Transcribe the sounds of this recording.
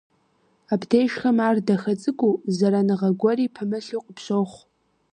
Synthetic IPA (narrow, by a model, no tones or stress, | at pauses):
abʰdʰejʃχamaːrdaxat͡sʼɨɡʷʼuzaɾanɨʁaɡʷɔɾipʰɨmɨɬuqʼpʰʃʷoχʷ